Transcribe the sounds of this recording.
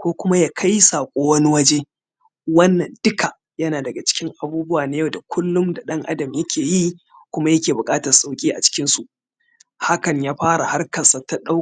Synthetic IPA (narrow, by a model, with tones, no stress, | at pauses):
kʷoː˦kʷʊ˦ma˦jaː˦kʰa˦jsaː˨kʷʼoː˦wɐ˦ni˦wɐ˦d͡ʒeː˦ | wɐ˦nːɐ˨ndʊ˦kʰa˨ | jɐ˦naː˨dɐ˨ɡa˨t͡ʃɪ̥˦kʲɪ˦ŋʔa˨buː˦bʊ˦waː˨na˦jɐ˨wda˨kʷʰʊ˦lːʊ˦mda˨ɗɐ˦ŋʔa̰˦dɐ˨mjɐ˦kʲeː˨ji˦ | kʷʊ˦ma˦jɐ˦kʲeː˨bʊ˨kʼaː˦tɐ˨rsʼa˦˨wkʲʼiː˦ʔa̰˨t͡ʃɪ̥˦kʲɪ˦nsu˨ʔ | ha˦kɐ˨ɲjaː˦ɸaː˦ɾa˨ha˦rkɐ˨sa˨ta˦ɗa˦˨